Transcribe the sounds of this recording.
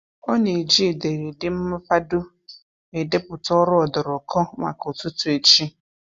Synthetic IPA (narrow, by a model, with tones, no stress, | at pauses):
ɔ˦ne˨d͡ʒi˦˨de˨ɾe˨dɪ˦m̩˦mʊ˦fa˦dʊ˦ | e˨de˦pʊ˨tɔ˦ɾʊ˦ɔ˨dɔ˨ɾɔ˨kʰɔ˦ma̰˨ko˨tu˦tʊ˨˦e˨t͡ʃi˦